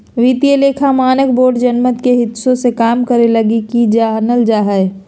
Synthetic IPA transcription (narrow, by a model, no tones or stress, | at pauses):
ʋit̪ijeleːkʰamaːnəkboːɖd͡ʒənmət̪keɦɪt̪sõsekaːmkəɾeləɡikid͡ʒanəld͡ʒaːɦəɛ